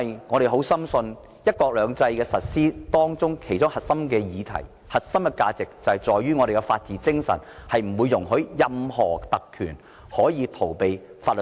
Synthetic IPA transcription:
jŋɔː˨˧ɾe˨˩jɦo˨˥wsɐ˥msɵ˧n | jɐ˥t̚kɔː˧k̚lœː˨˧ŋt͡sɐ˧jkɛː˧sɐ˨t̚siː˥t̪ɔː˥ŋt͡sʊ˥ŋkʰe˨˩jt͡sʊ˥ŋhɐ˨˩t̚sɐ˥mkɛː˧jiː˨˧t̪ʰɐ̰˨˩j | hɐ˨t̚sɐ˥mkɛ˧kaː˧t͡sɪ˨k̚t͡sɐ˨˩hɐ˨˩jt͡sɔː˨jɥyː˥ŋɔː˨˧ɾe˨jkɛ˧faː˧t̚t͡siː˨˥t͡sɪ˥ŋsɐ̰˨˩nhɐ˨jm̩˨˩wu˨˧jʊ˨˩ŋɦɵ˨˥ɥjɐ˧mhɔ̰ː˨˩t̪ɐ˨kʰːyː˨˩n | hɔː˨˥jiː˨˧t̪ʰo˨˩wpe˨jfaː˧t̚lɵ˨

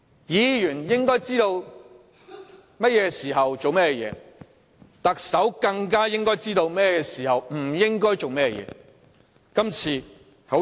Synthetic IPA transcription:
jiː˨˧jyː˨˩njɪ˥ŋkɔː˥jt͡siː˥t̪o˧w | mɐ˥t̚jɛː˨˧siː˨˩ɦɐ˨wt͡so˨wmɛː˥jɛ˧jɛ̰ː˨˧ | t̪ɐ˨k̚sɐ˨˥wkɐ˧ŋkaː˥jɪ˥ŋkɔː˥jt͡siː˥t̪o˧wmɛː˥ɛ˨˧kɛ˧siː˨˩hɐ˨wm̩˨˩jɪ˥ŋkɔː˥jt͡so˨wmɛː˥jɛ˧jɛ̰ː˨˧˦ | kɐ˥mt͡sʰiː˧ | ho˨˥

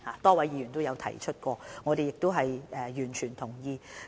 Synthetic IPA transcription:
haː˨t̪ɔː˥wɐ˨˥jiː˨˧y˨˩nt̪o˥wjɐ˨˧wt̪ʰɐ˨˩jt͡ʃʰɵ˥t̚kɔː˧ŋɔː˨˧ɾe˨jɪ˨k̚t̪o˥wɦɐ˨jʔɛː˨jyː˨˩nt͡ʃʰyː˨˩nt̪ʰʊ˨˩ŋjiː˧

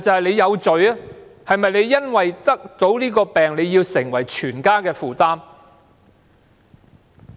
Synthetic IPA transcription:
t͡sɐ˨hɐ˨jle˨˧jɐ˨˧wt͡ʃɵ˨ɥɐ˦˥hɐ˨jmɐ˨jle˨˧jːɐ˥nwɐ˨jt̪ɐ˥k̚t̪o˨˥wliː˥kɔː˧pɛː˨ŋle˨˧jiː˧wsɪ˨˩ŋwɐ˨˩jt͡ʃʰyː˨˩nkaː˥kɛː˧fuː˨t̪aː˥m

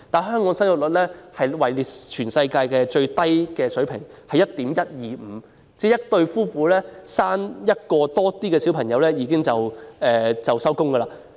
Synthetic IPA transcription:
t̪aː˨˩nɦœː˥ŋkɔː˨˥ŋsɐ˥njʊ˨t̚lɵ˨˩t̚lɛː˥hɐ˨jwɐ˨˩jliː˨tt͡ʃʰyː˨˩nsɐ˧jkaː˧jkɛː˧t͡ʃɵ˧ɥt̪ɐ˥jkɛː˧sɵ˨˥ɥpʰɪ˨˩ŋhɐ˨jːɐ˥t̚t̪iː˨˥mjɐ˥t̚jiː˨m̩˨˩˧ | t͡sɛː˥jɐ˥t̚t̪ɵ˧ɥfuː˥fuː˨˥lɛː˥saː˥njɐ˥t̚kɔː˧t̪ɔː˥t̪iː˥kɛː˧si˨˥wpʰɐ˨˩ŋjɐ˨˧wlɛː˥jiː˧kɪ˥ŋt͡sɐ˨wɛː˨t͡sɐ˨wsɐ˥wkʊ˥ŋɡɐː˧laː˧

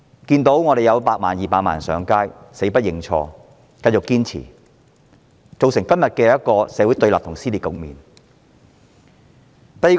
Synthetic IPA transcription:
kiː˧nt̪o˨˥wŋɔː˨˧ɾe˨jɐ˨˧wpaː˧k̚ma̰ː˨˩njiː˨paː˧k̚maː˨˩nsœː˨˧ŋkaː˥j | se˨˥jpɐ˥t̚jɪ˧ŋt͡ʃʰɔ̰ː˧ | kɐ˧jt͡sʊ˨kːiː˥nt͡sʰḭː˨˩ | t͡so˨wsɪ˨˩ŋkɐ˥mjɐ˨t̚kɛː˧jɐ˥t̚kɔː˧sɛ˨˧wu˨˥t̪ɵ˧ɥlaː˨p̚t̪ʰʊ˨˩ŋsiː˥liː˨tkʊ˨k̚miː˨n | t̪ɐ˧ji˨˧

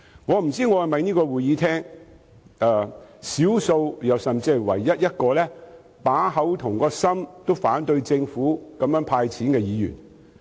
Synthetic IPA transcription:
ŋɔː˨˧m̩˨˩t͡siː˥ŋɔː˨˧hɐ˨˩mɐ˨jniː˥kɔː˧wuː˨jjiː˨˥t̪ʰɛː˥ŋ | ɛː˨˧siː˨˥wso˧wjɐ˨wsɐ˨mt͡si˨˧wɐ̰˨˩jːɐ˥t̚jɐ˥t̚kɔː˧lɛː˥ | paː˨˥ɦɐ˨˥wt̪ʰʊ˨˩ŋkɔː˧sɐ˥mt̪o˥wfaː˨˥nt̪ɵ˧ɥt͡sɪ˧ŋfuː˨˥kɐ˨˧mjœː˨˥ŋpʰaː˧jt͡sʰiː˨˥nkɛː˧jiː˨˧jy̰ː˨˩n

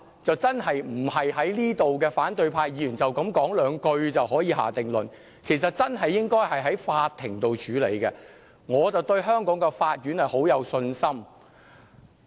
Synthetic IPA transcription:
t͡sɐ˨wt͡sɐ˥nɦɐ˨jm̩˨˩hɐ˨jɦɐ˨˥jliː˥t̪o˨wkɛː˧faː˨˥nt̪ɵ˧ɥpʰaː˧jjiː˨˧jyː˨˩nt͡sɐ˨wkɐ˨˧˥mkɔː˨˥ŋlœː˨˧ŋkɵ˧ɥt͡sɐ˨wɦɔː˨˥jiː˨˧ɦa̰ː˨˩t̪ɪ˨˩ŋlɵ˨n | kʰe˨˩js̬ɐ˨t̚t͡sɐ˥nɦɐ˨jːɪ˥ŋkɔː˥jhɐ˨jɦɐ˨˥jfaː˧tt̪ʰːɪ̰˨˩ŋt̪o˨wt͡ʃʰyː˨˥lḛ˨˧jkɛ˧ | ŋɔː˨˧t͡sɐ˨wt̪ɵ˧ɥɦœː˥ŋkɔː˨˥ŋkɛ˧faː˧t̚jyː˨˥nhɐ˨˩jho˨˥wjɐ˨˧wsɵ˧nsɐ˥m

